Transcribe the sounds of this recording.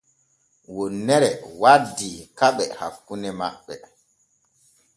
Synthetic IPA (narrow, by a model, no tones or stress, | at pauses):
wɔnːɛɾɛwadikaɓɛha̰kːunɛma̰ɓːɛ